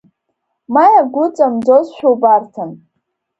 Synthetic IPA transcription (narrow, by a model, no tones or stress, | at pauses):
majaɡʷʊt͡sʼamd͡zozʃʷᶣowbartʰan